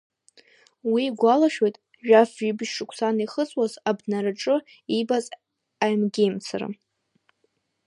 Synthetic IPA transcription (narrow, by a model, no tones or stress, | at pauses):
wiɡʷalaʃᶣejtʼ | ʒᶣafibɨʃʂɨkʷʰsaniχət͡sʼwazabnaɾaʈ͡ʂʼɨ | ibazʼ | ajmɡʲejmt͡sʰara̰